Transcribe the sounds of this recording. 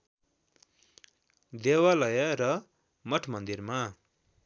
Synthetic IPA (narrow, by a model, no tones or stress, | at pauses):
d̪ewalʌjʌɾʌ | mʌʈʰmʌnd̪irma